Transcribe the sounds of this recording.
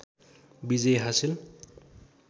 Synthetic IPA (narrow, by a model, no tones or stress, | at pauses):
bizejɦasil